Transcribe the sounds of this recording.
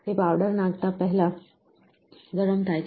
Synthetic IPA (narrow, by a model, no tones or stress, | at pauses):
ɦepaʋɖəɾnaɡt̪apəɦɛla | ɡ̪ʱəɾəmt̪ʰajt͡s